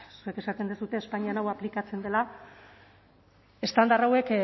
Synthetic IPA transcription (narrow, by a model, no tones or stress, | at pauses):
sue̞ke̞sat̪end̪esut̪e̞ːspaɲianawaplikat͡se̞nd̪e̞la | e̞st̪and̪arawe̞k